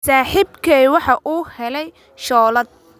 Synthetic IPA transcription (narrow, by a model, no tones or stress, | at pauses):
saːħibkʰɛwɑħɑʔuːhɛlɛj | ʃɔːlɐd̪̚